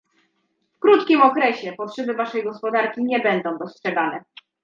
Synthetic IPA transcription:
fkɾut̪kʲimɔkɾɛɕɛpɔtʂɛbɘvaʂɛjɡɔspɔd̪aɾkʲiɲɛbɛnd̪ɔ̃w̃d̪ɔstʂɛɡanɛ

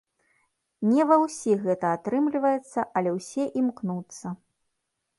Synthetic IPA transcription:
nʲɛvɐwsʲiɣɛt̪ɐat̪ɾɨmlʲivɐjɛt̪sːɐʔɐlʲɛwsʲɛʔimknut̪sːɐ

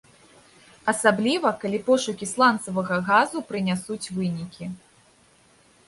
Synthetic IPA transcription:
ɐsablʲivɐkalʲipɔʂukʲislˠant̪sɐvɐɣɐɣazupɾɨnʲasut͡sʲvɨnʲikʲi

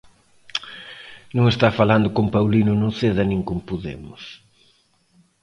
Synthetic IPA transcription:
nũŋest̪afaland̪ʊkompawlinʊnuθeðɐnĩŋkompoðḛmʊs

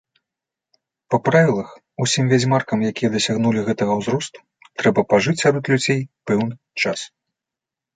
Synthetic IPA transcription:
pɐpɾavʲilˠɐx | usʲimvʲad͡zʲmarkɐmjakʲijɐd̪ɐsʲaɣnulʲiɣɛt̪ɐɣɐwzɾɔst̪u̥ | t̪ɾɛbɐpaʐɨt͡sʲsʲaɾɔt̪lʲud͡zʲejpɛwnɨ | t͡ʂas

